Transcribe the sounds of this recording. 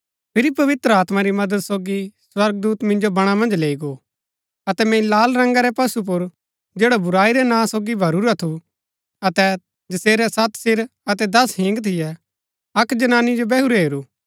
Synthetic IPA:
pʰɪɾipɐʋɪt̪ɾəaːt̪maɾimɐd̪əd̪soːɡiswɐɾɡ̚d̪uːt̪mɪ̃nd͡ʒobɐɽ̃amɐ̃nd͡ʒleːiɡoː | ɐt̪ɛmɛ̃laːlɾɐ̃ŋɡaɾɛpɐsup̬ʊɾ | d͡ʒeːɽabʊɾaːiɾɛnãːsoːɡibʱɐɾuɾat̪ʰu | ɐt̪ɛ | d͡ʒɐseːɾɛsɐt̪sɪɾɐt̪ɛd̪ɐsɦɪ̃ŋɡt̪ʰɪjɛ | ɐkd͡ʒɐnaːnid͡ʒobɛːɦuɾɛɦeːɾuː

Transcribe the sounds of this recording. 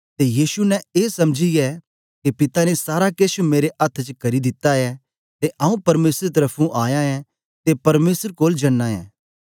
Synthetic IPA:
t̪ejiːsunɛ̃eːsɐmd͡ʒijɛ | kepɪt̪anesaːɾakeːʃumeːɾeʔɐt̪ʰt͡ʃkɐɾid̪ɪt̪ːaɛ | t̪eʔɐːũpɐɾmeːsɾt̪̬ɐɾəpʰũʔaːjãɛ | t̪epɐɾmeːsəɾkoːld͡ʒɐnːãɛ̰̃ː

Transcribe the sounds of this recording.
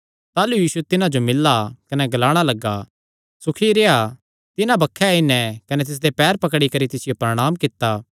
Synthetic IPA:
t̪aːlujiːsuɛt̪ɪnãd͡ʒomɪlːakɐnɛɡɐlaːɽ̃alɐɡːa | sʊkʰiɾeːa | t̪ɪnãbɐkʰːɛɪnɛ̃kɐnɛt̪̬ɪs̬d̪epɛːɾpɐkɽikɐɾit̪ɪsɪjopɾɐɽ̃aːmkɪt̪ːaː

